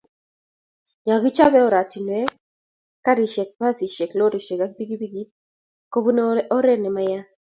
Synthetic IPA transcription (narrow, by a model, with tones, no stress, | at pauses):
ɲa˨ɡi˦t͡ʃa˦bɛ˦ɔ˦ɾa˨ti˨n˨ɛ˦ | ka˦ɾi˨ʃe˨k̚ba˦si˨ʃe˨klo˦ɾi˨ʃe˨ka˦k̚bi˦ɡi˦bi˦ɡi˦ | ko˦bu˦nɔ˦ɾɛ˦nɪ˨ma˦ja˦